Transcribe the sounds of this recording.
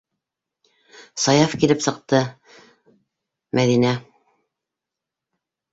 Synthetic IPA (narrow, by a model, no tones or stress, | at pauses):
sɑjɑfkilɘpsɤ̆q̚t̪ɤ | mæðinæ